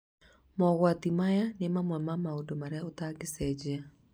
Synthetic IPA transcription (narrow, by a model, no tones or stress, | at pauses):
mɔɣwatimajanemamwɛmamaodomaɾeaotaɡesɛd͡ʑea